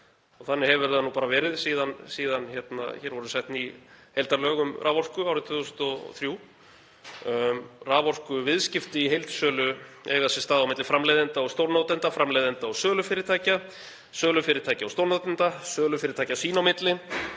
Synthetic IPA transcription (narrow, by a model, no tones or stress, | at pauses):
ɔɣθanːɪhɛvʏɾ̥θaðnupaːɾavɛːɾɪðsiːðansiːðançɛt̪na̰çɛːɾvɔɾʏsɛht̪nihejlt̪aɾlœːɣʏmrʔaːvɔr̥kʏawɾɪt̪ʰvʏʏsnt̪ɔθɾjuː | raːvɔr̥kʏvɪðscɪft̪ɪiɦejlt̪sœːlʏɛɣaðsɛst̪aːðawmɪt̪lɪfɾamlejðɪnt̪aɔɣst̪owɾnowt̪ɪnt̪afɾamlejðɪnt̪aɔsœːlʏfɪːɾɪɾt̪ʰaːjca | sœːlʏfɪːɾɪɾt̪ʰaːjcaɔwst̪owɾnawt̪ɪnt̪asœːlʏfɪːɾɪɾt̪ʰaːjcasiːnawmɪt̪lɪ